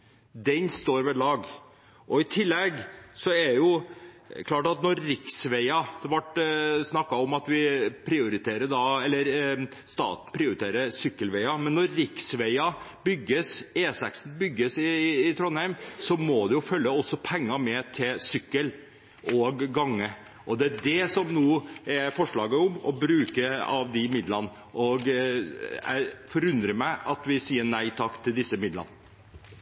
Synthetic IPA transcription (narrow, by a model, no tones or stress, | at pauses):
d̪ɛnst̪oːɾʋɛɭɑːɡ | ʔɔɪt̪ʰɪlːɛɡsɔɛjʊ | kʰlɑːʈɑt̪nɔɾːɪksʋɛɪɑd̪̥ɛʋɑʈsnɑkːɑɔmɑt̪ʋɪpʰɾɪʊɾɪt̪ʰeːɾəɖ̪ɑɛlːəɾst̪ɑ̰ːt̪n̩pʰɾɪʊɾɪt̪eːɾəɾsʏkːəlʋɛɪɑmɛnːɔɾːɪksʋɛɪɑbʏɡːəseːsɛ̰ksn̩bʏɡːəsɪːt̪ʰɾɔnhæɪmsɔmɔd̪ɛjʊfœlːəɔsːɔpʰɛŋːɑmɛt̪ʰɪlsʏkːəl | ʔɔɡːɑŋːə | ʔɔd̪ɛæɖɛsɔmnuːɛfɔʂɭɑːɡəʊmɔ̰bɾʉːkəɑ̰ʋd̪ɪmɪd̪lɑnə | ʔɔɡ | æ̰fɔɾʉnd̪ɾəmæɪɑt̪ʋɪsiːənæɪt̪ʰɑkːt̪ʰɪld̪ɪsːəmɪd̪lɑ̰nə